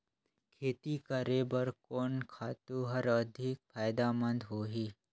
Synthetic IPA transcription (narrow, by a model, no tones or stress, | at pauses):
kʰeːt̪ikəɾebəɾkɔːnkʰaːt̪uɦɐɾɐd̪ʱɪk̚fʰaːjd̪amə̃nd̪ɦoːɦiː